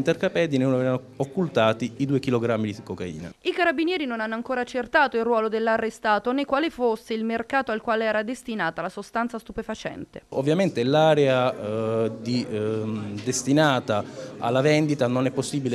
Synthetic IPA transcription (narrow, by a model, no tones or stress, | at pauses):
nt̪ɛrkapɛd̪innovɛvano | okːult̪aːt̪iid̪uːekiloɡɾamːid̪ikokaḭːna̰ikaɾabinjɛːɾinonanːoaŋkoːɾaːt͡ʃːert̪aːt̪oilrwɔːlod̪elːarːest̪aːt̪onekwaːlefosːeilmerkaːt̪oalkwaːleɛːɾad̪est̪inaːt̪alasost̪ant̪sast̪upefat͡ʃɛ̰nt̪ḛovːjament̪elaːɾea | d̪i | d̪est̪inaːt̪aa̰lːavɛnd̪it̪anonɛpːosːibile